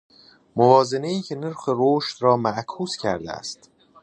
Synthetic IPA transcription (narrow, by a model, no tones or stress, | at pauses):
movɒːze̞ne̞iːcʰe̞neɾxeɾoːʃt̪rɒːmæʔkʰuːscʰæɾd̪ḛæ̰st̪